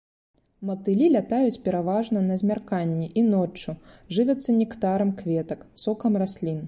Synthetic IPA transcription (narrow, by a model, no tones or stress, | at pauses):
mɐt̪ɨlʲilʲat̪ajut͡sʲpʲɛɾavaʐnɐnɐzʲmʲarkanʲːiʔinɔt͡ʂːuʐɨvʲɛt̪sːɐnʲɛkt̪aɾɐmkvʲɛt̪ɐksɔkɐmrasʲlʲin